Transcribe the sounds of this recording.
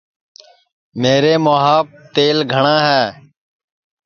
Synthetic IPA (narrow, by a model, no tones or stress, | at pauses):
meːɾeːmoːɦaːp̚t̪eːlɡʱəɳãːɦɛː